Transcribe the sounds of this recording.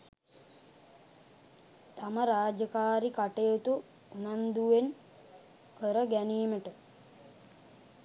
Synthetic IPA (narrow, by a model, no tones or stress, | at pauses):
t̪aməɾaːd͡ʒəkaːɾikaʈejot̪uː | nand̪uʋen | kəɾəɡæniːməʈə